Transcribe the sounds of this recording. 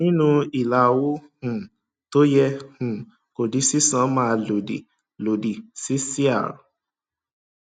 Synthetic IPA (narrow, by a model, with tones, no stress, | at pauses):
nĩ˦nũ˧i˨la˨˦˨wo˦hũ˨ | to˦jɛ˧hũ˨ | ko˨di˨˦si˦sã˨˦mãː˦˧lo˨dḛ˨ | lo˨di˨si˨˦si˦a̰˦˨ɾũ˨˦